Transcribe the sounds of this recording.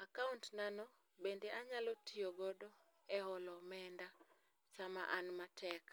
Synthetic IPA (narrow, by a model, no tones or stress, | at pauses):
akauntnanɔ | bendeʔaɲalotʰioɡɔdɔ | ɛɦɔlɔmɛnda | t͡ʃama̰ʔanmatʰɛk